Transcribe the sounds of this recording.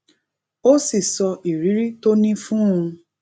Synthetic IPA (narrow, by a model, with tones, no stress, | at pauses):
o˦si˨sɔ˧ʔi˨ɾi˨˦ɾi˦to˦nĩ˦fũ˦ũ˧